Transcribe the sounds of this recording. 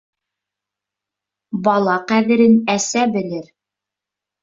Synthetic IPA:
bɑlˠɑqæðɘ̆ɾɘnæsæbɘ̆lɘɾ

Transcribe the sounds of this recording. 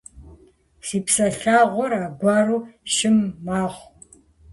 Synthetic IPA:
siːpsɐɬaːʁʷɔɾaːɡʷɑːruːʃɪmːaːʁʷ

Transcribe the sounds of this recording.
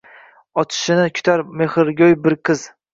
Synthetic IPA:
ɒt͡ʃʰɪ̥ʃɪnɪkʲʰʊ̥t̪ʰaɾmeχɪɾɡʲojbɪɾqʰɨz̥

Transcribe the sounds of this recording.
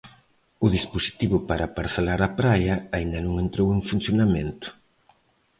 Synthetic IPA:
ʊðisposi̥t̪iβʊpaɾapaɾθelaɾapɾajɐaind̪ɐnõŋent̪ɾoweŋfun̟θjonamẽnt̪ʊ̥

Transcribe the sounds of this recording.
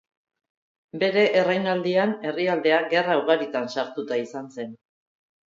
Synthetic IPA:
be̞ɾe̞ʔːrajnald̪iane̞riald̪e̞aɡe̞rawɣaɾit̪ansaɾt̪ut̪aisanse̞n

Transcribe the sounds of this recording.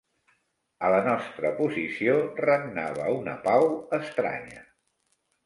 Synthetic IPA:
ələnɔst̪ɾəpuzisiorəmna̰β̞əunə̰pawəst̪ɾa̰ɲə

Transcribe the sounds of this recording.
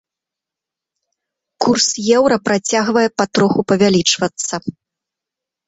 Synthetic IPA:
kursjɛwɾɐpɾat͡sʲaɣvɐjɛpat̪ɾɔxupɐvʲalʲit͡ʂvɐt̪sːɐ

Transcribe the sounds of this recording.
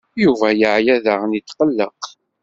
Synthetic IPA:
juvæjəʕjæðəʁnit̪ːqəlːə̰q

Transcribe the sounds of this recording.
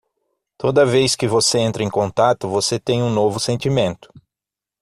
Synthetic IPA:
t̪od̪ɐvejskɪvoseẽnt̪ɾɐẽj̃kõnt̪at̪ʊvoset̪ẽj̃ũnovʊsẽnt͡ʃ̪imẽnt̪ʊ̥

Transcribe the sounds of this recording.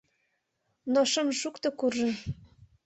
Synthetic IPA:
noʃəmʃukt̪okurʒə̆n

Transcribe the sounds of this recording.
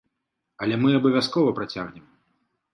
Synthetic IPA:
ɐlʲɛmɨɐbɐvʲaskɔvɐpɾat͡sʲaɣnʲɛm

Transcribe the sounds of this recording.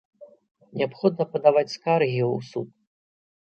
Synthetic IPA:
nʲɛapxɔd̪̚nɐpɐd̪avat͡sʲskarɣʲiusṵp̚

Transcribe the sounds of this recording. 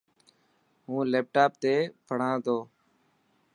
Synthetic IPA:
ɦũːleːp̚ʈaːp̚t̪eːpʰəɽ̤ãːd̪oː

